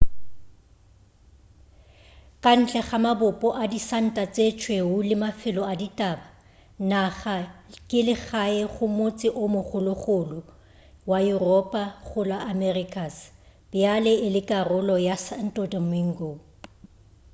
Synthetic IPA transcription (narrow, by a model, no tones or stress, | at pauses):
kʼan̩t͡ɬʼɛχamabʊpʼɔʔadisan̩tʼat͡sʼet͡ʃʰʼweʊlɪmafɪlɔaditʼaba | naχakʼɪlɪɣaɪχʊmot͡sʼɪʔʊmʊχʊlʊχʊlʊ | wajurɔpʼaχʊlaʔamɛrikʰʼasb̥ɪjalɛɪlɪkʼarʊlɔjasan̩tʼɔtʼɔmiŋ̩ɡo